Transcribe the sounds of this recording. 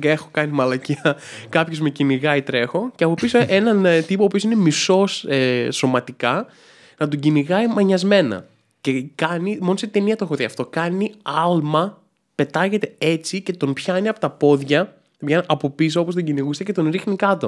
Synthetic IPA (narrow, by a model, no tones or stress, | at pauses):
exo̞kɐnimɐlɐciɐ | kɐpçozmeciniɣɐit̪ɾe̞xo̞ceɐpo̞pisoʔe̞nɐnt̪ipoːpio̞sine̞miso̞seso̞mɐt̪ikɐ | nɐt̪̬uɟiniɣɐimɐɲɐzme̞nɐ̰ | ce̞kɐnimo̞noset̪e̞niɐt̪oexoðiɐft̪o̞kɐniɐlmɐ | pe̞t̪ɐʝe̞t̪e̞e̞t͡sice̞t̪o̞npçɐiniɐpot̪ɐpo̞ðʝɐ | vʝenɐpo̞pis̬oopost̪oɲɟiniɣust̪ece̞t̪o̞nɾixnikɐt̪o